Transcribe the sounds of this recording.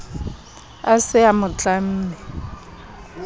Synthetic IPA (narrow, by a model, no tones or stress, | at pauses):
asɪamʊt͡ɬʼam̩ːnɛ